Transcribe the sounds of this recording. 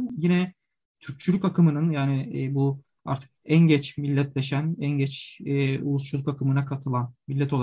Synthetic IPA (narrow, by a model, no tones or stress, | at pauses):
jinɛ | t̪ʰyɾc̚t͡ʃʰylʲykakɯmɯnɯnjaːnɪbu | a̰ɾt̪ʰɯ̥k̚ænɟɛt͡ʃmilʲːɛt̪lʲɛʃænænɟɛt͡ʃːṵlˠust͡ʃʰulˠukakʰɯmɯnakʰat̪ʰɯlˠanmilʲːɛt̪oa